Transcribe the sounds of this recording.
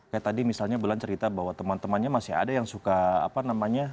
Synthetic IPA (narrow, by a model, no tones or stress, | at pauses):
kajaʔt̪adimisalɲabulant͡ʃəɾit̪abaɦwat̪əmant̪əmanɲamasiɦa̰dajaŋsukaa̰panamaɲa